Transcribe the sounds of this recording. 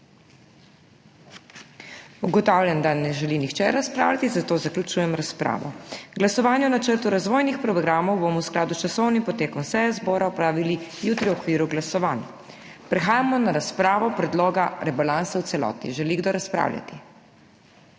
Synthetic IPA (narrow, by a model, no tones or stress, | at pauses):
uɡɔt̪awlʲjand̪anɛʒɛlinixt͡ʃɛɾaspɾa̰wlʲat̪izat̪oːzaklʲut͡ʃuːjɛmɾaspɾa̰ːʋɔ̰ɡlasɔʋaːnjɛnat͡ʃəɾt̪uɾazʋoːjnixpɾɔɡɾaːmɔwbomɔwsklaːd̪ut͡ʃasɔwnimpɔt̪eːkɔnsɛjazbɔːɾaɔpɾaːʋilijut̪ɾiwɔkʋiːɾuɡlasɔʋaːnja | pɾɛxaːjamɔnaɾaspɾaːʋɔpɾɛd̪loːɡaɾɛbalansawt̪ɛlɔ̰ːt̪ḭʒɛliɡd̪oɾaspɾa̰ːwlʲja̰t̪i̥